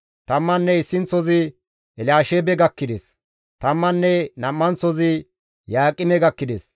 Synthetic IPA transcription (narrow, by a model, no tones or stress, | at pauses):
t̪ɐmːɐnːɛɪsːɪnt͡sɔzɪ | ɛlaːʃebɛɡɐkːɪd̪ɛs | t̪ɐmːɐnːɛnɐmːɐnt͡sɔzɪ | jaːkʼːɪmɛɡɐkːɪd̪ɛs